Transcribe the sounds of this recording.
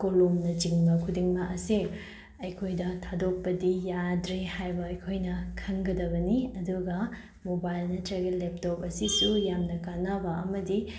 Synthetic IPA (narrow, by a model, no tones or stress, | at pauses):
kolomnɐd͡ʒiŋbɐkʰudiŋbɐʔɐse | ɐjkʰojdɐtʰadok̚pɐdijadɾehajbɐɐjkʰojnɐkʰɐŋɡɐdɐβɐniɐduɡɐ | mobajlnɐtɾɐɡelːep̚top̚ɐsisujamnɐkanabɐɐmɐdi